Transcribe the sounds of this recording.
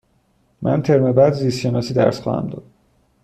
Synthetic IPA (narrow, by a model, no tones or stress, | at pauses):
mʔænt̪ʰeɾmebæd̪zisenɒsiːd̪æ̰ɾsχɒ̰ːhæ̰md̪ɒ̰d̪̥